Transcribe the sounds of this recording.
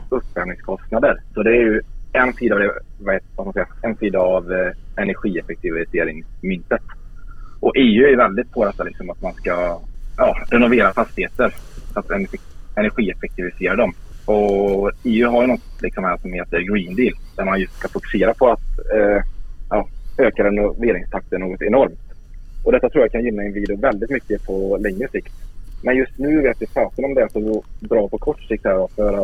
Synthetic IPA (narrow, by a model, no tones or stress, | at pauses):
ɵpːfɛmnɪŋskʰɔst̪nad̪əɾsɔd̪ɛæjɵɛnsiːd̪avd̪ɛvaheːt̪vaskmaskɛjːaɛnsiːd̪avɛnæɾɧiːɛfɛk̚t̪ʰɪvɪseːɾɪŋsmʏnt̪ːət̪ʔɔʔeːʉ̟æɾjɵvɛld̪ɪt̪̚pʰod̪ɛt̪ːalɪksɔmat̪manskajɑːɾɛnʊveːɾafast̪ɪheːt̪əɾsat̪ɛn | ɛnæɾɧiːɛfɛk̚t̪ʰɪvɪseːɾaɖɔmɔeːʉɦaɾjɵnɔt̪ːlɪksɔmæʂɔmheːt̪əɾɡɾiːnd̪iːld̪æɾmanjɵst̪skafʊkʉ̥seːɾapʰɔat̪ː | jɑːøːkaɾɛnʊveːɾɪŋst̪ʰak̚t̪əɳːoːɡɔt̪ɛnɔɾmt̪ | ɔd̪ɛt̪ːat̪ɾuːjakʰanjɪnːaɛnviːd̪ɪʊvɛld̪ɪt̪mʏkːəpʰɔlɛŋːɾəsɪkt̪mɛnjɵst̪nʉ̟ːvɪːat̪vɪpʰɾɑːt̪əɾɔmd̪ɛlsɔbɾɑːpʰɔkʰɔʈːʂɪkt̪hæːɾɔfjœːɾa